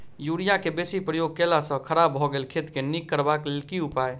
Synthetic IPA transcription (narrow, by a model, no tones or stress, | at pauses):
juɽijakebeːsipɾəjoɡ̚kelasə̃kʰəɾabʱɔɡeːlkʰet̪kenikːəɾbaklɪlkiʊpaːe